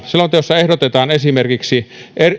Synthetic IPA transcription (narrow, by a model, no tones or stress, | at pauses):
selɑmot̪ejosːɑehdot̪et̪ɑːnesimerkiksiʔer